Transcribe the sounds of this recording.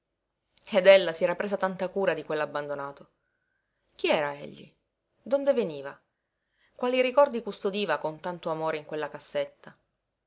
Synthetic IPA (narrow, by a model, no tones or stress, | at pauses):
ed̪elːasiɛɾapɾeːzat̪ant̪akuːɾad̪ikwelːabːand̪onaːt̪o | k̟iɛːɾaɛ̰ʎːḭ | d̪ond̪eveniːva | kwaːliɾikɔrd̪ikust̪od̪iːvakont̪ant̪oamoːɾeiŋkwelːakasːet̪ːa